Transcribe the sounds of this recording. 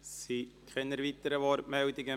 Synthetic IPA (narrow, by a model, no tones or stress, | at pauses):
sikχɛnəɾvit̪əɾəvɔɾtmɛld̪ɪɡə